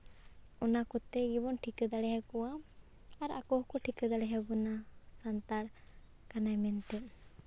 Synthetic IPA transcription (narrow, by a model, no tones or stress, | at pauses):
ɔnakɔt̪ɛɡibɔnʈʰikad̪aɽɛɦɛkɔwaː | ɾakɔhkɔʈʰikad̪aɽɛɦɛbɔnasant̪aɽ | kanajmɛnt̪ɛʔ